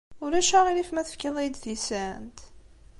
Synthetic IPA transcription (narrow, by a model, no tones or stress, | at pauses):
ʊɾæʃæʁilifmæθə̥fkəðˤejd̪θisænt̪